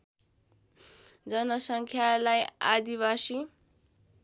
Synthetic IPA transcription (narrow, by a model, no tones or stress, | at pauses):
d͡zʌnʌsʌŋkʰjalaja̰d̪ibasi